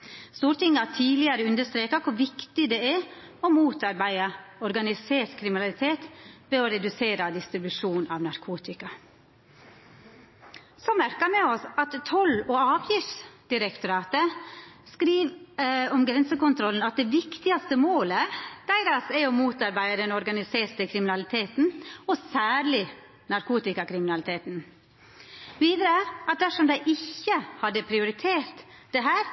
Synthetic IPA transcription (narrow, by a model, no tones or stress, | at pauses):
st̪uːɾt̪ɪŋːɑt̪ʰiːlɪəɾəʉnd̪əst̪ɾeːkɑkʰʊɾʋɪkt̪ɪd̪ɛɛ | ɔmuːt̪ɑɾbæɪɑɔɾɡɑnɪseːɾkʰɾɪmɪnɑlɪt̪ʰeːt̪ʋɛɔɾɛd̪ʉseːɾɑd̪ɪst̪ɾɪbʉʂuːnʔɑ̰ʋnɑɾkʰuːt̪ɪkɑ | sɔmæɾkɑmɛɔsɑt̪t̪ʰːɔlɔɑːʋjɪft̪sd̪̥ɪɾɛkt̪ʊɾɑːt̪əskɾiːʋɔmɡɾɛnsəkʊnt̪ʰɾɔln̩ɑt̪̚d̪ɛʋɪkt̪ɪɑst̪əmoːləd̪̥æɪɾɑsæɪɔmuːt̪ɑɾbæɪəd̪ɛnɔɾɡɑnɪseːɾt̪əkʰɾɪmɪnɑlɪt̪ʰeːt̪n̩ɔsæːɾɭɪ | nɑɾkʰuːt̪ɪkɑkʰɾɪmɪnɑlɪt̪ʰeːt̪n̩ | ʋiːd̪ɾəʔɑt̪̚d̪æʂɔmd̪æɪʔɪçːəhɑd̪ːəpʰɾɪʊɾɪt̪ʰeːɾt̪d̪ɛɦæːɾ